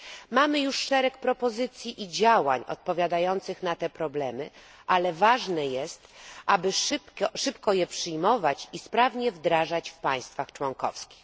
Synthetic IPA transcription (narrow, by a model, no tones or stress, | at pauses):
mamɘjuʂːɛɾɛkpɾɔpɔzɘt̪sʲjiʔid͡ʑawa̰ɲɔ̰t̪̚pɔvʲjad̪ajɔnt̪sɘxnat̪ɛpɾɔblɛmɘ | ʔalɛvaʐnɛjɛst̪ʔabɘʂɘpkɔjɛpʂɘjmɔvat͡ɕispɾavɲɛvd̪ɾaʐat͡ɕfpaj̃st̪faxt͡ʂwɔŋkɔ̰fskʲi̥x